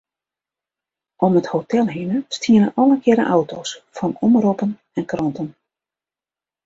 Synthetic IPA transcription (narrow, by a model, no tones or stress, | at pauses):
ʔɔməthotʰɛlˠɦinəstiənəʔɔləkʰɪɾə̰ʔawtʰoːsfɔnɔmropən | ɛnkrɔntən